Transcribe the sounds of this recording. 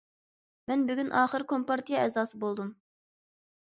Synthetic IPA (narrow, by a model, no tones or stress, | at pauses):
mɛnbyɡʲynʔɑːχəɾkʰompɑɾt̪ijɑɛzɑːsɨbolˠd̪um